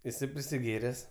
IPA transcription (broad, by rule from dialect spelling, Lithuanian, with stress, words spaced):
ɪˈsɐɪ pʲrʲɪsʲɪˈɡʲeːrʲɛs